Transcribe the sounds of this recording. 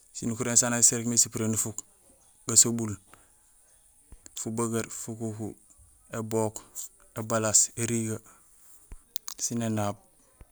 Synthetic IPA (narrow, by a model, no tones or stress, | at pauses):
sinukuɾensanaseɾkmesipɾenufuk | ɡasobul | fubaɡaɾfukuku | ebokebalaseɾiɡa | sinenab̚